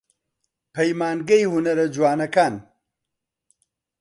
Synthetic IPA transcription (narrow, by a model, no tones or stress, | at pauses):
pʰɐjmaːnɡɐjhunɐɾɐd͡ʒwaːnɐkaːn